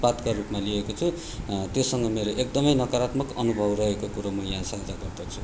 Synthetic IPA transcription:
pat̪kaɾupmaliekot͡sʰu | t̪josʌŋɡʌmeɾoʔek̚d̪ʌmʌjnʌkaɾat̪mʌkʌnubʱʌbrʌɦekokuɾomʌjãsʌɦd͡zaɡʌrd̪ʌt͡sʰu̥

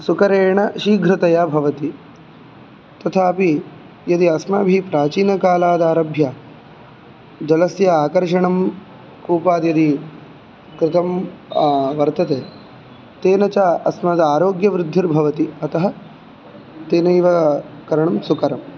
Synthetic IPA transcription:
sukɐɾeːɳɐʃiɡʱɾɪt̪ɐjaːbʱɐʋɐt̪i | t̪ɐt̪ʰaːɐpi | jɐd̪iɐsmɐbʱipɾaːt͡ʃiːnɐkaːlaːd̪aːɾɐbʱjaː | d͡ʒɐlɐsjɐaːkɐɾʂɐɳɐm | kuːpaːd̪jɐd̪i | kɾɪt̪ɐm | ʋɐɾt̪ɐt̪eː | t̪eːnɐt͡ʃaːɐsmɐd̪aːɾoːɡjɐʋɾɪd̪ʱːiɾbʱɐʋɐt̪iɐt̪ɐɦɐ̆ | t̪eːnɐjʋɐkɐɾɐɳɐmsukɐɾɐm

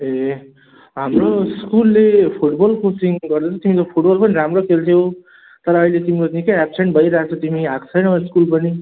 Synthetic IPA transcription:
e | ɦamroskulːepʰuʈbʌlposiŋɡʌrd̪et͡sʰʌt̪imit͡sopʰuʈbʌlpʌniɾamrokʰelt̪ʰje | t̪ʌɾʌːilet̪imikot̪nikʌapseɳʈbʱʌjɾaat͡sʰʌt̪imiɦãkt͡sʰʌjnʌiskulpʌni

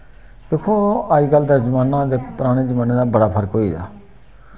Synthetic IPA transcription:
d̪̥eːkʰoːaːiːɡəld̪ad͡ʒəmaːnãːd̪eːpʊɾaːɽ̃eːd͡ʒəmaːnãːd̪aːbəɽaːpʰəɾkɦoːḭːd̪a̰ː

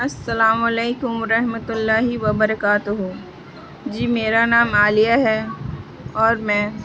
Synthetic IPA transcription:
ɐsːɐlaːmɐleːkʊmʋɐɾɐɦmət̪ʊlːaːɦiʋɐbɐɾəkaːt̪ʊɦu | d͡ʒiːmeːɾanaːmaːlijaɦɛ | ɔːɾmɛ̃ː

